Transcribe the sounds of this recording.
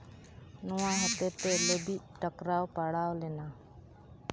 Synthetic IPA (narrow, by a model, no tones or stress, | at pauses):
nuwaɦɔt̪ɛt̪ɛləbiʔ̚ʈəkɾawpaɽawlɛna